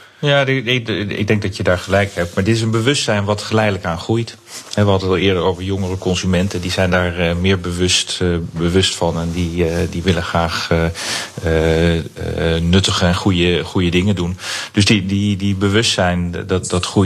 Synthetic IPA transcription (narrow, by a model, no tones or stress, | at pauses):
jaːdɪɪ̰ɡ̚dɛŋk̚dɑtjədaːɹχəlɛjkhɛp̚tmaːɹdɪtɪs̬ənbəʋʏstsɛjnʋɑtχəlɛjdələkaːnχrujt | hɛʋəɦɑdəɑlˠɪːəɹdəɹowvəɹjoŋərəkɔnzymɛntəndizɛjndaːɹmɪːɹbəʋɵstbəʋɵstfɑnɛndidiʋɪlənχraːχəə | nɵtəχəɛnχujəχujədɪŋəndund̥ɵsdididibəʋɵstsɛjnddɑtχu